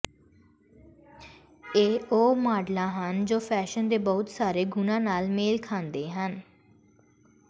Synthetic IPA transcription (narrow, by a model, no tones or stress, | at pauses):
eːoːmaːɖlãːɦənd͡ʒoːpʰɛːʃənd̪eːbɔːʊt̪saːɾeːɡʊnãːnaːlmeːlkʰãːnd̪eːɦən